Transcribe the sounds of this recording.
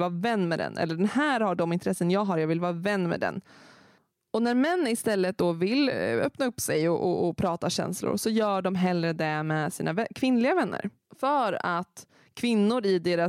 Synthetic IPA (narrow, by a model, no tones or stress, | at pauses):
vɑːvɛnːmɛd̪ɛ̰nʔɛ̰lːəɖɛnhæːɾhaɖɔmɪnt̪ɾɛsːənjɑːɡɦaɾjɑːɡvɪlvɑːɾavɛnːmɛ̰d̪ɛ̰nː | ɔnæɾmɛnːɪst̪ɛlːət̪̚d̪ɔvɪlœ̰pnaɵpːsɛjɔʔɔːpʰɾɑːt̪aɕɛ̰nslʊ̰ɾsɔjœːɖɔmɦɛlɾəd̪ɛmɛsḭːnʔavɛkʰvɪnlɪɡavɛnːə̰ɾ | fœɾat̪ | kʰvɪnːʊɾɪd̪eːɾa